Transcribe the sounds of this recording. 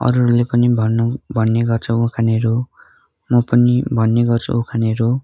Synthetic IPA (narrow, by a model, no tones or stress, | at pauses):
ʌ̰ɾurlepʌnibʱʌnːobʱʌnːeɡʌrt͡sʰʌũkʰaneɾo | mʌpʌnibʱʌnːeɡʌrt͡sʰṵũkʰaneɾo